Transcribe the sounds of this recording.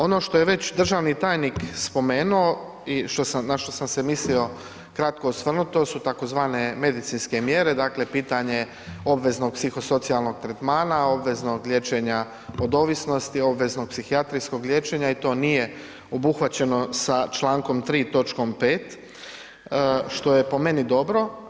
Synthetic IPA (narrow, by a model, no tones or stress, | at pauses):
o̞no̞ʃt̪o̞je̞ʋe̞t͡ɕd̪r̩ʒaʋnit̪aːjnikspo̞me̞ːnuo | iʃt̪o̞samnaʃt̪o̞samse̞mislio̞ | kɾat̪̚ko̞osʋr̩nut̪o̞sut̪ako̞zʋaːne̞me̞d̪it̪sinske̞mje̞ɾe̞d̪akle̞piːt̪aɲe̞ | o̞bʋe̞zno̞ɡ̚psixo̞so̞t̪sialˠno̞ɡ̚t̪ɾet̪maːnao̞bʋe̞zno̞ɡlʲjeːt͡ʃe̞ɲa | o̞d̪o̞ʋisno̞st̪io̞bʋe̞zno̞ɡ̚psixiat̪ɾijsko̞ɡljeːt͡ʃe̞ɲait̪o̞ːnije̞ | o̞buxʋat͡ɕe̞no̞sat͡ʃlˠaːŋko̞mt̪ɾiːt̪o̞t͡ʃko̞mpeːt̪ | ʃt̪o̞je̞po̞me̞nid̪o̞bɾo̞